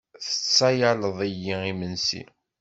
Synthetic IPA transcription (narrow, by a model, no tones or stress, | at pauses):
θə̥t͡sːæjaləðˤijːiimənsḭ